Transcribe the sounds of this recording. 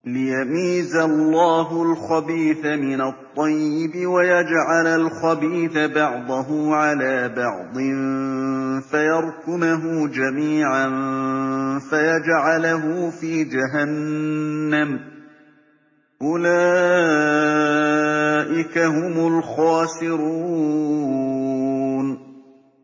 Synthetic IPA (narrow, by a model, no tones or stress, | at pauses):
lɪjamiːzalːɑːɦʊlxɑbiːθamɪnat̪ˤːɑjːɪbɪwajad͡ʒʕalalxabiːθabɑʕd̪ˤɑɦʊʕalaːbɑʕd̪ˤɨn | fajɑɾˤkʊmaɦʊd͡ʒamiːʕan | fajad͡ʒʕalaɦʊːfiːd͡ʒaɦanː | am | ʔʊlaː | ʔɪkaɦʊmʊlxɑːsɪɾuː | n